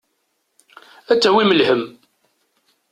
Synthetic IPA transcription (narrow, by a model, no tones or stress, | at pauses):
æt͡sːæwiməlhəm